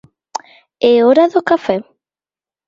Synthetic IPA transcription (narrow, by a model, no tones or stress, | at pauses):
eoɾaðokafɛ